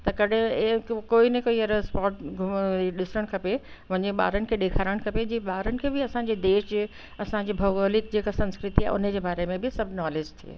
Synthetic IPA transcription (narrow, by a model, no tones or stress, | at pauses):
t̪ɐkɐɗɪ̃koːinɐ̃koːiɐɾspaːʈɡʱʊiɗɪsəɽ̃kʰɐpe | ʋɐ̃ɲeɓa̰ːɾənɪ̆kʰeːɗeːkʰaːɾəɽ̃kʰɐped͡ʑiːɓaːɾənɪ̆kʰeːbʱɪɐsãːɲd͡ʑed̪eːʃd͡ʑ | ɐsã̆ːd͡ʑibʱɐɡoːlɪk̚d͡ʑeːkasɐ̃nskɾɪt̪iaːʊ̰nə̆d͡ʑeːbaːɾemẽbʱɪsɐbʱnaːleːd͡ʑt̪ʰiḛː